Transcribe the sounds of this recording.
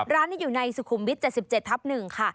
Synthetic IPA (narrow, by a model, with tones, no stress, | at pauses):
ɾaː˦˥nːiː˥˩juː˨˩na˧jsu˨˩kʰu˨˩˦mwi˦˥t̪̚t͡ɕe˨˩t̪̚si˨˩p̚t͡ɕe˨˩t̪ʰːa˦˥p̚nɯ˨˩ŋkʰa˥˩